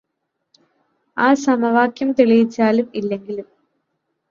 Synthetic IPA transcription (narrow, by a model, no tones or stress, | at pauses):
aːsɐmɐʋaːkjɐmt̪iɭijit͡ɕːaːlumilːe̞ŋɡilum